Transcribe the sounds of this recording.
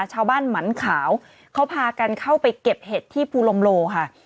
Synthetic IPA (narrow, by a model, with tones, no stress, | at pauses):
t͡ɕʰaː˧wbaː˥˩nma˩˦nkʰaː˩˦w | kʰa˦˥wpʰaː˧ka˧nkʰa˥˩wpa˧jke˨˩p̚heː˨˩t̪ʰːiː˥˩pʰuː˧lo˧mloː˧kʰa˥˩